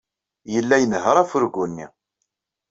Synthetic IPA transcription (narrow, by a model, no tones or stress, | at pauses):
jəlːæjənhəɾˤæfʊɾɡʷunːḭ